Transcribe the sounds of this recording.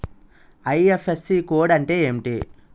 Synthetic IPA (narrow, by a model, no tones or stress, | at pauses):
ɐjefesːikoːɽɐɳʈe̞ːeːmiʈi